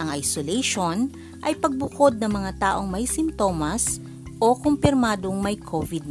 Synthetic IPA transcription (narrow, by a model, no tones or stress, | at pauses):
ʔɐŋʔɐjsolɛjʃon | ʔɐjpɐɡ̚bʊko̞d̪̚nɐŋmɐŋat̪aːʔo̞ŋmɐjsɪmt̪o̞ːmɐs | ʔokompɪɾmaːd̪oŋmɐjkʰovɪd̪̚